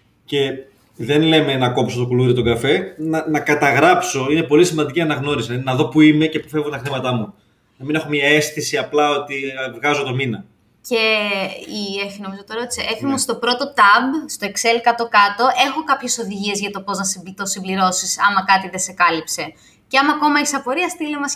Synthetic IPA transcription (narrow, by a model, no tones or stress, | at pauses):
ce̞ | ðe̞nle̞me̞nɐko̞pso̞t̪okuluɾiot̪o̞ŋɡɐfe̞nɐnɐkɐt̪ɐɣɾɐpso̞ine̞po̞lisimɐnd̪iciɐnɐɣno̞ɾisinɐðo̞puime̞ce̞pufevot̪ɐxɾimɐt̪ɐmu | nɐmine̞xo̞mɲɐe̞st̪isiɐplɐo̞t̪ivɣɐzo̞t̪o̞minɐ | ce̞ieçino̞mizot̪oɾɐot̪i̥seʔefimost̪o̞pɾo̞t̪ot̪ɐbst̪o̞e̞kse̞lkɐt̪o̞kɐt̪o̞ʔe̞xo̞kɐpçe̞so̞ðiʝie̞zʝɐt̪o̞po̞znɐst̪osimbliɾo̞sisɐmɐkɐt̪iðe̞se̞kɐlipse̞ | ceɐmɐko̞mɐisɐpo̞ɾiɐst̪ilemɐs